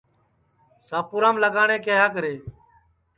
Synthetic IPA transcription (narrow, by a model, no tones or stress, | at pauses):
saːpʊːɾãːmləɡaːɳẽːkeɦaːk̬əɾeː